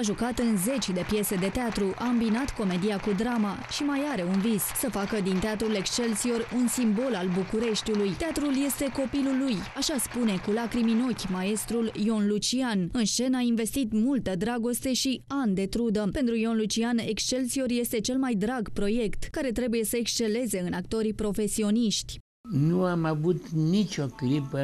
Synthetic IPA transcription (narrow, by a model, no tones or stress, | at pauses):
aʒukat̪ɨnze̞t͡ʃʲd̪e̞pje̞se̞d̪e̞t̪eat̪ɾuʔaɨmbinat̪ko̞me̞d̪iakud̪ɾama | ʃimajaɾe̞unvissəfakəd̪int̪eat̪ɾule̞kst͡ʃe̞lt̪sio̞runsimbo̞lalbukuɾe̞ʃt̪ʲulujt̪eat̪ɾulje̞st̪e̞ko̞pilulːujaʃaspune̞kulakɾimino̞kʲmae̞st̪ɾuljo̞nlut͡ʃianɨnʃt͡ʃe̞nainve̞st̪it̪mult̪əd̪ɾaɡo̞st̪e̞ʃiand̪e̞t̪ɾud̪əpe̞nt̪ɾujo̞nlut͡ʃiane̞kst͡ʃe̞lt̪sio̞rje̞st̪e̞t͡ʃe̞lmajd̪ɾaɡpɾo̞je̞kt̪kaɾe̞t̪ɾe̞buje̞səekst͡ʃe̞le̞ze̞ɨnakt̪o̞ɾipɾo̞fe̞sio̞niʃt̪ʲ | nuamavut̪nit͡ʃʲo̞ɡɾipə